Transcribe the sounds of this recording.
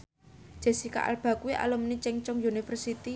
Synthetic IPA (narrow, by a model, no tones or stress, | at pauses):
ʒ̥e̤sika̰ʔa̰lb̥a̤kuwiʔa̰lʊmnit͡ʃɛŋt͡ʃɔŋjunifərsit̪i